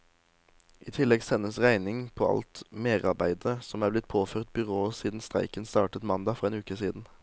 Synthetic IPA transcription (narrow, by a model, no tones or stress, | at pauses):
ʔiːt̪ʰɪlɛɡsɛnəsʁæɪnɪŋpʰoːɑ̰lt̪meːʁɑbæɪd̪əsɔmæːblɪt̪̚pʰoːfœːʁt̪̚bʏʁoːəsiːd̪n̩st̪ʁæ̰ɪkənst̪ɑːʈət̪mɑnd̪ɑːfɔʁeːnʉːkəsiːd̪n̩